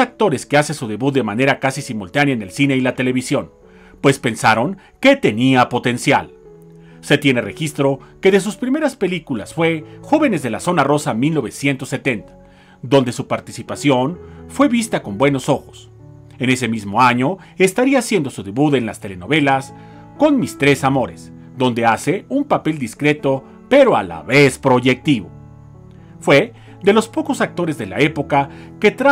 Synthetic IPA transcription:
ak̚t̪o̞ɾe̞skeasesuðe̞βut̪̚d̪emane̞ɾakasisimult̪anjaene̞lsine̞ilat̪e̞le̞β̞isjo̞n | pwe̞spe̞nsaɾo̞ŋ | ke̞t̪e̞niapo̞t̪e̞nsja̰l | se̞t̪je̞ne̞re̞̰xist̪ɾo̞ke̞ðe̞s̬uspɾime̞ɾaspe̞likulasfwe̞xo̞βe̞ne̞zðe̞laso̞naro̞samilno̞βe̞sjent̪o̞sːe̞t̪e̞nt̪ḁ | d̪o̞nd̪e̞supaɾt̪isipasjo̞nfwe̞βist̪ako̞mbwe̞no̞so̞xo̞̥s | e̞ne̞se̞mizmo̞aɲo̞ | est̪aɾiasje̞nd̪o̞suðeβuðe̞nlast̪e̞leno̞β̞e̞las | ko̞nmist̪ɾe̞samo̞ɾe̞s | d̪o̞nd̪e̞ase̞umpape̞ld̪iskɾe̞t̪o̞ | pe̞ɾo̞a̰la̰βe̞spɾo̞ʝe̞k̚t̪iβo̞̰ | fwe̞ | ðe̞lo̞spo̞ko̞sak̚t̪o̞ɾe̞zðela̰e̞po̞kake̞t̪ɾa

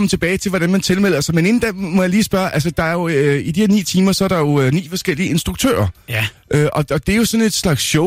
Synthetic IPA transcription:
ɒmət͡sʰe̝b̥ɛːɪt͡sʰe̝ʋɒd̥ænmænt͡sʰe̝lmel̰ɐsɑ̈mene̝nn̩d̥æmɒ̽jɑ̈liːsb̥ɶɐʔælsəd̥ɑ̈æɐjo̝id̥ihḛɐnḭːt͡sʰiːmɐsɒ̽æɐɾ̥ɑ̈jo̝ønḭːfɒ̽sɡ̥el̰iəe̝nsd̥ʁuɡ̥t͡sʰø̰ːɐʔøʔɒ̽ɒ̽d̥eæɐjo̝sɒ̽ne̝d̥slɑ̈ɡ̥sɕɔ

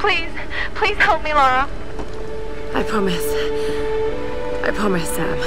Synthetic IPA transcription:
pʰl̥iz̥ | pʰl̥iz̥hɛlˠp̚milɑɹə | aɪpʰɹ̥ɑmɪs | ʔaɪpʰɹ̥ɑmɪsːæ̰̃m

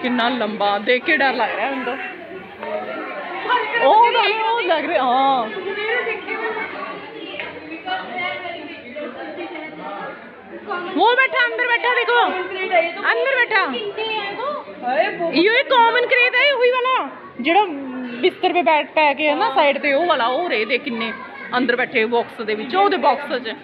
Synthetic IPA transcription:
kɪnaːlːəmbaːd̪eːkʰːeːɖəɾlaːɡɾeaːʊnd̪õː | oːd̪aoːlaɡɾeːɦãː | oːbɛːʈʰaːənd̪əɾbɛːʈʰaːd̪eːkʰoː | ənd̪əɾbɛːʈʰaː | iːoeːkaːmənkɾeːd̪ɛeɦoiːʋaːlaː | d͡ʒeːɽaːbɪst̪əɾpeːbɛːʈʰpɛːkeaːnaːsaːɪɖt̪eːoːʋaːlaːoːɾeeːd̪eːkʰɪnːeː | ənd̪əɾbɛːʈʰeːbɔːksd̪eːʋɪt͡ʃoːd̪eːbɔːksət͡ʃ

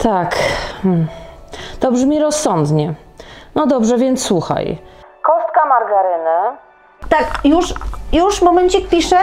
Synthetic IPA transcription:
t̪ʰak̩ | t̪ɔbʐmʲiɾɔsːɔnd̪ɲɛ | nɔd̪ɔbʐɛvʲjɛnt̪sswuxa̰j | kɔst̪kamaɾɡaɾɘnɘ | t̪akjuʂjuʂmɔmɛnt͡ɕik̚pʲiʂɛ

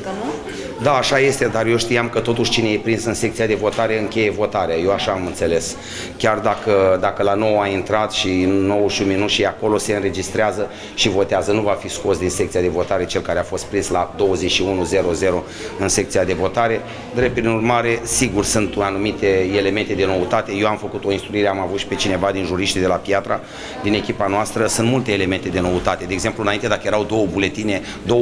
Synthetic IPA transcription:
d̪aːʃaje̞st̪e̞d̪arjeʃt̪ijamkət̪o̞t̪uʃʲt͡ʃine̞jepɾinsɨnse̞k̚t̪sijad̪e̞vo̞t̪aɾe̞ɨŋkʲe̞je̞vo̞t̪aɾeaje̞waʃaːmɨnt̪se̞le̞s | kʲard̪akəd̪akəlano̞waint̪ɾat̪ʃinːo̞wʃiunminut̪ʃieako̞lo̞se̞ɨnɾe̞d͡ʒist̪ɾeazə | ʃivo̞t̪eazənuvafisko̞sd̪insek̚t̪siad̪e̞vo̞t̪aɾe̞t͡ʃe̞lkaɾeafo̞st̪̚pɾinslad̪o̞wəze̞t͡ʃʲʃiunuze̞ɾo̞ze̞ɾo̞ | ɨnsek̚t̪sijad̪e̞vo̞t̪aɾe̞ | d̪ɾepɾinurmaɾe̞siɡursɨnt̪uanumit̪e̞ele̞me̞nt̪e̞d̪e̞no̞ut̪at̪e̞je̞wamfəkut̪o̞inst̪ɾuiɾe̞amavut̪ʃi̥pe̞t͡ʃine̞vad̪inʒuɾiʃt̪d̪e̞lapjat̪ɾa | d̪ine̞kʲipanoast̪ɾəsɨnt̪mult̪eːlement̪e̞d̪e̞no̞ut̪at̪e̞d̪eeːɡze̞mpluɨnaint̪e̞d̪akəjeɾawd̪o̞wəbule̞t̪ine̞ | d̪o

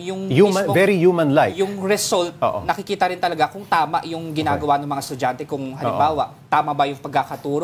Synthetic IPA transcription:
jʊŋjumɐvɛɾijumɐ̃nlajjʊŋɾɛsolt̪̚o̰ʔo̰nɐkɪkiːt̪ɐɾɪnt̪ɐlɐɡakʊŋt̪aːmɐ̰ʔjʊŋɡɪnaːɡɐwanɐŋmɐŋast̪ʊd͡ʒant̪ɛkʊŋɦɐlɪ̰mmbaːwɐʔ | t̪aːmɐbɐjʊŋpɐɡ̚kːakɐt̪uːɾoʔ

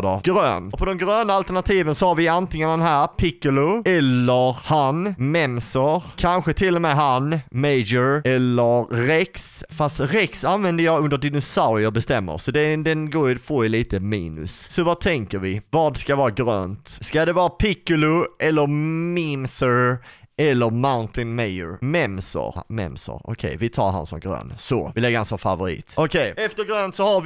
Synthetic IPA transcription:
d̪ɔɡ̥ɾø̰ːnɔpʰɔd̪ɛmɡɾøːnaalt̪əɳat̪ʰiːvənsɔhaɾvɪant̪ɪŋənd̪ɛnɦæːɾpʰɪkːʊlʊɛlːəɾhanmɛmsəɾkʰanɧət̪ʰɪlːɔmɛɦanmeɪd͡ʒəɾɛlːəɾɾɛksfast̪ɾɛksanvɛnd̪əjɑːɵnd̪əɖɪnʊsaʊɾɪɔbɛst̪ɛmːə̰ɾsɔd̪ɛd̪ɛnɡoːɾjfoːɪliːt̪əmiːnɵ̰ssɔvɑt̪ʰɛŋkəɾvɪvɑːd̪skavɑːɾaɡɾø̰ːnt̪skad̪ɛvɑːɾapʰɪkːʊlʊʔɛlːəɾmimsəɾɛlːəɾmaʊnt̪ɪnmeɪə̰ɾmɛmsɔ̰ɾmɛ̰msɔ̰ɾɔ̰kʰɛ̰jvɪt̪ʰɑ̰ːɾɦa̰nsɔ̰mɡɾø̰ːnsɔɪlɛɡːəhansɔmfavʊɾḭːt̪ɔkʰɛjɛft̪əɾɡɾøːnt̪sɔhaɾvɪ

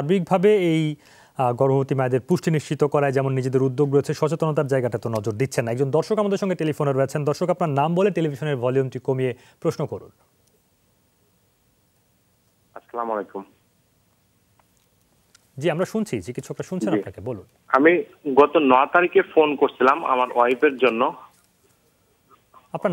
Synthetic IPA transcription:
ʃaɾbik̚bʱabeej | ɡɔɾmobot̪imaed̪eɾpuʃʈʰiniʃt͡ɕit̪okɔɾaed͡ʑɛmonːid͡ʑed̪eɾud̪ːoɡɾojet͡ɕʰeʃɔt͡ɕet̪onot̪aɾd͡ʑaeɡaʈat̪onɔd͡ʑoɾd̪it̪ːɕʰenːaɛk̚d͡ʑond̪ɔɾʃokamad̪eɾʃɔŋɡeʈelifoneɾoet͡ɕʰend̪ɔɾʃokapnaɾnamboleʈelibʱiʃoneɾvʱɔljumʈikomije | pɾoʃnokoɾṵn | asalamɔlekum | d͡ʑiamɾaʃunt͡ɕʰit͡ɕikit̪ːʃʰɔkɾaʃunt͡ɕʰenapnakebolun | ami | ɡɔt̪onɔat̪aɾikefonkoɾt͡ɕʰilama̰maɾɔjpeɾd͡ʑonːo | apna

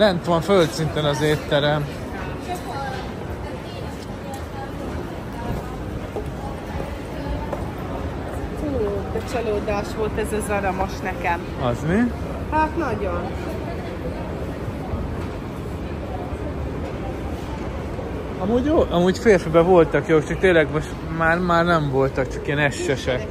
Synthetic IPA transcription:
lɛnt̪ʋɒɱfølt̪sint̪ɛnɒzeːt̪ːɛɾɛm | ut͡ʃɒloːd̪aːʃʋo̞lt̪ɛzɒzɒɾɒmo̞ʃnɛkɛm | ɒzmi | hat̪nɒɟon | ɒmuːɟoːʔɒmuːcfeːrfibɛvo̞lt̪ɒkjoːt͡ʃɒk̚t̪eːlɛɡmo̞ʃt̪ | maːrmaːrnɛɱvo̞lt̪ɒkt͡ʃɒkijɛnɛʃːɛʃɛk

